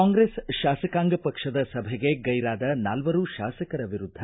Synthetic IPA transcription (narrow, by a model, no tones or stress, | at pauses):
aːŋɡɾesʃaːsɐkaːŋɡɐpɐkʂɐd̪ɐsɐbʱɛɡeɡɐjɾaːd̪ɐnaːlʋɐɾuʃaːsɐkɐɾɐʋiɾud̪ʱːɐ